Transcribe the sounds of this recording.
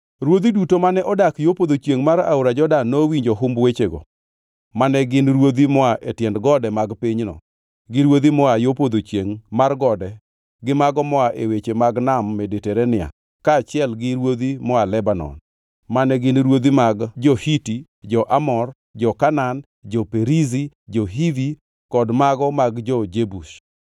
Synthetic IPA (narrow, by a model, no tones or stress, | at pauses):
ɾwod̪idutomanɛʔɔdakjopod̪ot͡ʃjeŋmaɾa̰uɾad͡ʒɔdanːowiɲd͡ʒoɦʊmbwet͡ʃeɡɔ̰ | manɛɡɪnɾwod̪imɔaʔetjɛndɡɔdɛmaɡpiɲnɔ̰ | ɡɪɾwod̪imɔajopod̪ot͡ʃjeŋmarɡɔdɛ | ɡɪmaɡɔmɔaʔewet͡ʃemaɡnamːedeteɾɛnɪa̰ | kaːt͡ʃɪɛlɡɪɾwod̪imɔalɛbanɔ̰n | manɛɡɪnɾwod̪imaɡd͡ʒɔhiti | d͡ʒɔʔamɔr | d͡ʒɔkanan | d͡ʒɔpeɾizid͡ʒɔɦivi | kɔdmaɡɔmaɡd͡ʒɔd͡ʒebuʃ